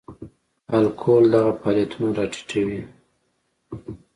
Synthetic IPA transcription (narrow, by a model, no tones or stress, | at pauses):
alkʰold̪aɣapɑljat̪ʰunaɾɑʈʰi̥ʈʰawi